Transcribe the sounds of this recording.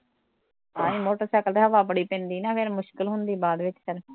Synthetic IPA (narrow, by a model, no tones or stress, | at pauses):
ãːĩːmoːʈəɾsɛːkəlt̪eɦəʋaːbəɽiːpɛ̃ːnd̪iːnãːpʰɪɾmʊʃkɪlɦʊnd̪iːbaːd̪ʋɪt͡ʃsəɾ